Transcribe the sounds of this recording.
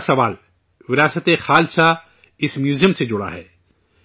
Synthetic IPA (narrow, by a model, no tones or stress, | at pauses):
sɐʋaːl | ʋɪɾaːsət̪exaːlsa | ɪsmjuːzijəmsed͡ʒʊɽa̰ɦɛ̰ː